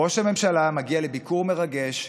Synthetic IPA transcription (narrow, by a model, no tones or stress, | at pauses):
o̞ʃhame̞mʃalamaɡialebikuʁme̞ʁaɡe̞ʃ